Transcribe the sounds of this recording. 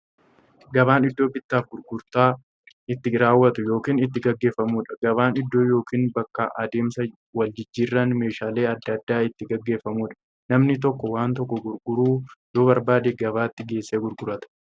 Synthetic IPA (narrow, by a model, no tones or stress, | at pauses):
ɡɐbaːnɪd̪ːo̞ːbɪt̪ːaːfɡʊɾɡʊɾt̪aː | ɪt̪ːɪɾaːwːɐt̪ʊjo̞ːkiːnɪt̪ːɪɡɐɡːe̞ːfːɐmuːᶑɐ̥ɡ̥ɐβaːnɪd̪ːo̞ːjo̞ːkiːnbɐkːɐʔɐd̪e̞ːmsɐ | wɐld͡ʒɪd͡ʒːiːrːɐnme̞ːʃaːle̞ːɐd̪ːɐd̪ːaːɪt̪ːɪɡɐɡːe̞ːfːɐmuːᶑɐ̥ | nɐmnɪt̪̬ɔkːɔwaːnt̪̬ɔkːɔɡʊɾɡʊɾuːd̪̥o̞ːβɐɾbaːd̪eːɡɐβaːt̪ːɪɡe̞ːsːeːɡʊɾɡʊɾɐt̪ɐ̥